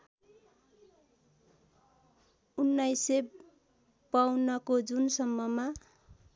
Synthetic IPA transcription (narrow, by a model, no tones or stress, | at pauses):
unːajse | pawnʌkod͡zunsʌmːʌma